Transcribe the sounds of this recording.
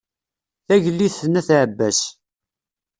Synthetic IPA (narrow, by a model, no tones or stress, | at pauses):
θæʝəlːiθːənæθʕəbːæs